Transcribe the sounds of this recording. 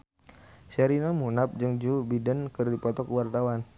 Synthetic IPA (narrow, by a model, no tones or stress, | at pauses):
sɛɾinamunap̚d͡ʒɨŋd͡ʒubidənkərdipɔt̪ɔkwart̪awan